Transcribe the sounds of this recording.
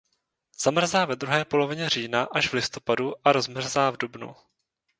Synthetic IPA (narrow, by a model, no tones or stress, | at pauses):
z̥amr̩zaːvɛd̪ɾuɦɛːpo̞lo̞vɪɲɛr̝iːnaʔaʒvlɪst̪o̞paduʔaɾo̞zmr̩zaːvdubnṵ